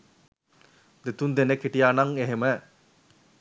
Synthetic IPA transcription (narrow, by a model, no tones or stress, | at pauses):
d̪et̪und̪enekːiʈijaːnaŋeɦemæ